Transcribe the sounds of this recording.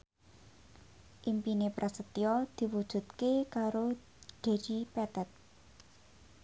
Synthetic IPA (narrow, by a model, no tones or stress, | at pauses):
ʔimpinepɾʔasət̪iɔd̪̥i̤wud̥ʒ̥ṳt̪kekaɾo | ɖ̥e̤d͡ʒipɛt̪ɛt̪̚